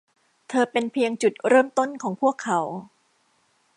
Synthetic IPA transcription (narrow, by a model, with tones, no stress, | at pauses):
t̪ʰɤː˧pe˧npʰi˧əŋt͡ɕu˨˩t̪̚ɾɤː˥˩mt̪o˥˩nkʰɔː˩˦ŋpʰu˥˩əkʰːa˩˦w